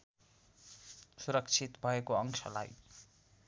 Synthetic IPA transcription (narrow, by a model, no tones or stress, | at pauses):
suɾʌkt͡sʰit̪bʱʌekoʌŋsʰʌ̰la̰j